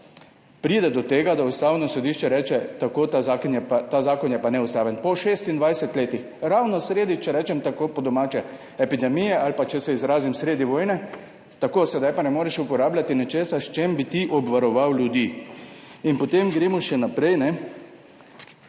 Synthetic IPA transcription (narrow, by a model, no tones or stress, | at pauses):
pɾiːd̪ɛd̪ɔt̪eːɡad̪aust̪aːwnɔsɔd̪iʃt͡ʃɛɾɛːt͡ʃɛt̪akoːt̪azakɔnɛt̪aːzaːkɔnjɛpanɛust̪aːʋɛnpɔʃeːst̪ind̪ʋajsɛt̪leːt̪ix | ɾawnɔsɾeːd̪it͡ʃɛɾɛːt͡ʃɛmt̪akopɔd̪ɔmaːt͡ʃɛ | ɛpid̪ɛmijɛalpat͡ʃɛsɛizɾaːzimsɾeːd̪iʋoːjnɛ | t̪akoːsɛd̪ajpanɛmoːɾɛʃupɔɾaːblʲat̪inɛt͡ʃeːsaʃt͡ʃembit̪iʔɔbʋaɾɔʋawljud̪iː | inpɔt̪emɡɾeːmɔʃɛnapɾɛjnɛ